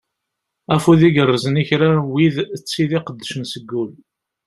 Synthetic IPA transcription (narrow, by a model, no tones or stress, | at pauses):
æfuðiɡərˤːəzəniçɾæwiðət͡sːiðiqəd̪ːəʃənsəɡːul